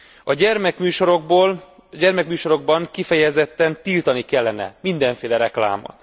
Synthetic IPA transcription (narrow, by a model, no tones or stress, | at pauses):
ɒɟɛrmɛkmyːʃoɾoboːl | ɟɛrmɛkmyːʃo̞ɾo̞ɡ̚bɒŋkifɛjɛzɛt̪ːɛnt̪ilt̪ɒnikɛlːɛnɛ̰mind̪ɛɱfeːlɛɾɛkla̰ːmo̰t̪